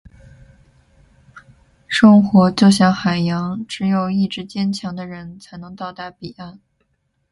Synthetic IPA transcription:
ʂɤ˥ŋxwɔ˧˥t͡ɕjo˥˩ʊɕjɑ˥˩ŋxa˨˩ɪjɑ˧˥ŋʈ͡ʂɻ̩˧˥jo˨˩ʊi˥˩ʈ͡ʂɻ̩˧˥t͡ɕjɛ˥nt͡ɕʰjɑ˧˥ŋd̪ə˧ɻə˧˥nt͡sʰa˧˥ɪnɤ˧˥ŋt̪ɑ˥˧ʊt̪a˥˩pi˨˩a˥˩n

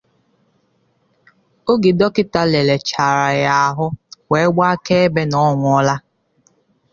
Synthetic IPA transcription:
o˦ɡi˨dɔ˦kɪ˦ta˦le˨le˨t͡ʃa˨ɾa˨ja˦a˨ɦʊ˦we˨˦ɡ͡ba˦ke˦e˦be˦nɔ˦ŋʷʊ˨˦ɔ˦la˦

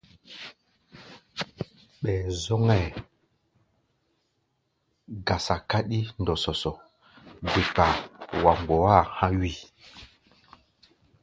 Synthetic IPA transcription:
ɓɛː˨zɔ˦ŋɛ˦˨ | ɡa˨sa˨ka˦ɗi˦ndɔ˨sɔ˨sɔ˨ | be˨k͡pa˨wa˨mɡ͡bɔ˨a˦˨hã˦ɥi˦˨

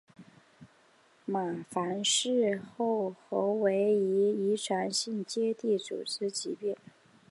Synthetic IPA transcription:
ma˨˩fa˧˥nʂɻ̩˥˧xo˥˩ʊxo˧˥ʊwe˧˥ɪi˧˥i˧˥ʈ͡ʂʰwa˧˥nɕi˥˩ŋt͡ɕjɛ˥t̪i˥˩t͡sṵ˨˩ʈ͡ʂɹ̩˥t͡ɕi˧˥pjɛ˥˩n

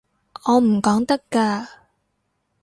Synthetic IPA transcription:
ɔː˨˧m̩˨˩kɔː˨˥ŋt̪ɐ˥kaː˧

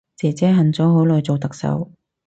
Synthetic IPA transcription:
t͡sɛː˨t͡sɛː˨˥ɦɐ˨nt͡sɔː˨˥ɦo˨˥wlɔː˨˧jt͡so˨wt̪ɐ˨k̚sɐ̰˨˥w

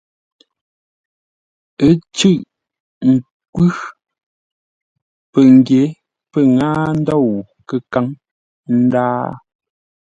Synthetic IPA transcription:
ə˦t͡ʃʉ˦˨ʔ | ŋ̩˨ | kwʉ˦ | pə˨ŋ˨ɡje˨˦ | pə˦˨ŋaː˦n̩˦dɔ˦˨wu˨ | kə˨ka˦ŋ | n̩˦daː˦

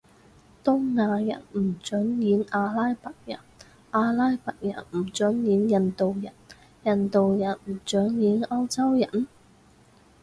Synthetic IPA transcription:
t̪ʊ˥ŋnaː˨˧jɐ̰˨˩nm̩˨˩t͡ʃɵ˨˥njiː˨˥naː˧laː˥jpɐ˨t̚jɐ̰˨˩n | ʔaː˧laː˥jpɐ˨k̚jɐ̰˨˩nm̩˨˩t͡ʃɵ˨˥njiː˨˥njɐ˨nt̪o˨wjɐ˨˩n | jɐ˨nt̪o˨wjɐ˨˩nm̩˨˩t͡ʃœː˨˥ŋjiː˨˥nɐ˥wt͡sɐ˥wjɐ˨˩n

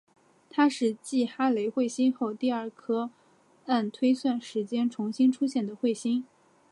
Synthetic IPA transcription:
t̪ʰa˥ʂɻ̩˥˧t͡ɕi˥˩xa˥le˧˥ɪxwe˥˩ɪɕi˥nxo˥˧ʊt̪i˥˧ə˞˥˩kʰɤ˥ | a˥˩nt̪ʰwe˥ɪswa˥˩nʂɻ̩˧˥t͡ɕjɛ˥nʈ͡ʂʰʊ˧˥ŋɕi˥nʈ͡ʂʰu˥ɕjɛ˥˩nd̪ə˩xwe˥˩ɪɕi˥n

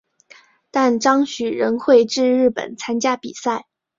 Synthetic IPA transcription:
t̪a˥˩nʈ͡ʂɑ˥ŋɕy˨˩ɻə˧˥nxwe˥˧ɪʈ͡ʂɻ̩˥˧ɻɻ̩˥˩pə̰˨˩nt͡sʰa˥nt͡ɕja˥pḭ˨˩sa˥˩ɪ

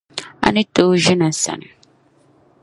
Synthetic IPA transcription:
a̰˦nɪ˦to˦ʒi˦na˨sa̰˨n˨

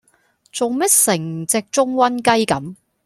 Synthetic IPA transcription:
t͡so˨wmɛ˥t̚sɪ˨˩ŋt͡sɛː˨˧k̚t͡ʃʊ˥ŋwɐ˥nkɐ˥jkɐ˨˥m

